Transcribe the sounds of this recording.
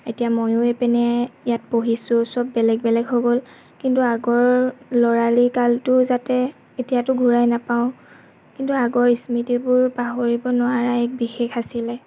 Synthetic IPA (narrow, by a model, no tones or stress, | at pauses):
etijamojʊɛpɛnɛjat̚poɦisʊsɔbːɛlɛɡ̚bɛlɛɡɦoɡol | kintuaɡɔɹlɔɹalikaltʊzatɛ | etijatʊɡʱuɹajnapaʊ̃ | kintuaɡɔɹismitibʊɹpaɦoɹibɔnʊaɹaɛk̚bixexasilɛ